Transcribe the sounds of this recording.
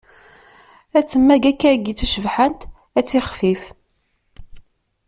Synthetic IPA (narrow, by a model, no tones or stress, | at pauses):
æt͡sːəmːæɡækːæɡit͡sːʃəvħənt̪ | æt͡sːiχfif